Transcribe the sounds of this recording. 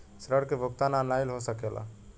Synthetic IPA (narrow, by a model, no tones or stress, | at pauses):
sɾəɽkebʱʊkt̪ananajlɦosəkelʔa̰